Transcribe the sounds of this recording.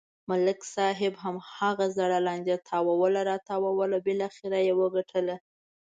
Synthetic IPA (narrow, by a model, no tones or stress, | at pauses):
mʊlɪksɑɦɪbɦamhaɣazaɽalɑnd̪et̪ʰɑwawəlaɾɑt̪ɑwawəlabɪlɑxɪɾajewəɡaʈʰəla